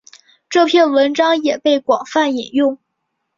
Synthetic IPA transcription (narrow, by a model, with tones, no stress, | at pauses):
ʈ͡ʂɤ˥˧pʰjɛ˥˩nwə˧˥nʈ͡ʂɑ˥ŋjɛ˨˩pe˥˩ɪkwɑ˨˩ŋfa˥˩ni˨˩njʊ˥˩ŋ